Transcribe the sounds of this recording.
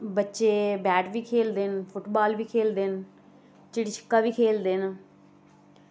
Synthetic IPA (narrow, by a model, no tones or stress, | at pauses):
bətːʃeːbɛːʈʋiːkʰeːld̪enpʰʊʈbaːlʋiːkʰeːld̪en | t͡ʃɪɽiːt͡ʃʰə̥kːaːʋiːkʰeːld̪eːn